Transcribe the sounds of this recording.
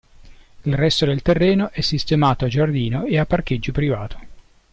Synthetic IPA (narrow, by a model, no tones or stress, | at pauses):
ilrɛst̪od̪elt̪erːɛːnoʔɛsːist̪emaːt̪oad͡ʒard̪iːnoeapːark̟ed͡ʒːopɾivaːt̪ʰo̥